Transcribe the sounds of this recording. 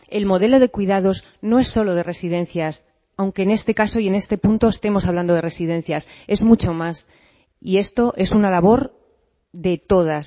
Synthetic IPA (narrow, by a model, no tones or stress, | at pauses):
e̞lmo̞ð̞e̞lo̞ð̞ekwiðað̞o̞z | no̞e̞sːo̞lo̞ð̞e̞re̞sið̞ẽ̞n̟θjas | awŋke̞ːne̞st̪e̞kaso̞ie̞ne̞st̪e̞punt̪oest̪e̞mo̞saβland̪oðere̞siðẽ̞n̟θjase̞zmut͡ʃo̞mas | ie̞st̪o̞ʔe̞sunalaβ̞o̞ɾ | ðe̞t̪o̞ð̞as